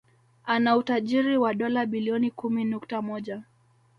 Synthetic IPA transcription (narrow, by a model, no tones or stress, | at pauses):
anautaʄiɾiwaɗɔlaɓiliɔnikuminuktamɔʄa